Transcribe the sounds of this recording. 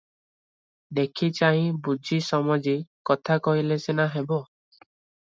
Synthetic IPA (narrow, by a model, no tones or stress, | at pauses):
d̪ekʰit͡ʃaɦĩbud͡ʒʱisɔmɔd͡ʒikɔt̪ʰakɔɦilesenaɦebɔ